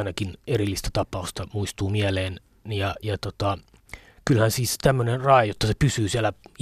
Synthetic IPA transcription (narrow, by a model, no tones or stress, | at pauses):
inɑkinerilːist̪æt̪ɑpɑust̪ɑmuist̪uːmiæleːn | jɑjɑt̪ot̪ɑ | kylhænsiːset̪æmːønenrɑejot̪ːɑsepysyːsiælæ